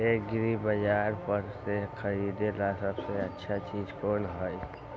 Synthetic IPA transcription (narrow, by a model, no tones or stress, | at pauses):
eːk̚ɡɾibəd͡ʒaːɾpəɾsekʰɐɾiːd̪elasəbseɐtːʃʰat͡ʃiːd͡ʒkoːnɦoi